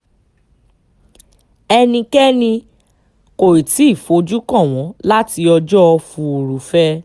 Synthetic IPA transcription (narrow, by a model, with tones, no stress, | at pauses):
ɛ˧nĩ˧kɛ˦nĩ˧ | ko˨i˨ti˨˦i˦˨fo˨˦d͡ʒu˦kɔ̃˦˨w̃ɔ̃˨˦la˦ti˧ɔ˧d͡ʒɔ˦˧fũ˧o˨ɾu˨fɛ˦